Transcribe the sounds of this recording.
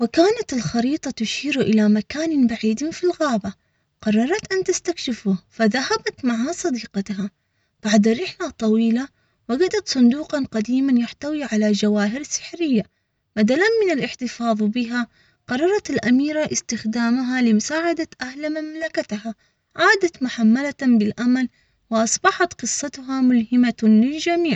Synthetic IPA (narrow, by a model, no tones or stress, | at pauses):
wɪkaːnat̪ɪlxɑɾiːt̪ˤɑt̪ʊʃiːɾʔɪlamakaːnabaʕiːd̪nfilɣaːba | qɑrˤːɑɾˤɑt̪ʔant̪ast̪akʃɪfʊfaðahabat̪maʕasˤɑd̪iːqɑt̪ɦa | b̥aʕd̪aɾɪħlat̪ˤːɑwiːla | waɡad̪at̪sˤʊnd̪uːqɑnqad̪iːmanjaħt̪awiʕalad͡ʒawaːɦɪɾsɪ̥ħɾɪjːa | mad̪alanmɪnalʔɪħt̪ɪfɑːðˤbɪɦa | qɑrˤːɑɾˤɑt̪ɪlʔamiːɾaʔɪst̪ɪxd̪aːmaɦalɪmʊsaːʕad̪at̪ʔahlmamlakat̪ha | ʕaːd̪at̪mʊħamːalabɪlʔaman | wɪʔɑsˤbɑħɑt̪qɨsˤːɑt̪ɦamʊlhɪmalɪld͡ʒamiːʕ